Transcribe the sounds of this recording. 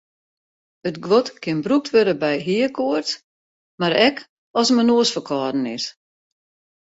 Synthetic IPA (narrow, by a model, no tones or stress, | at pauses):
ətɡʋotkʰɪnbruk̚tʰʋøɾəbɛjɦiəkʰoərt | maɾɛk | ɔsmənoːəsfəkʰɔːdn̩ɪ̰s